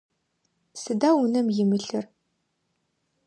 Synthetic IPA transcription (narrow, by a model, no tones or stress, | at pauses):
sɨdaːwʊnɐmjɪmɨɬɨr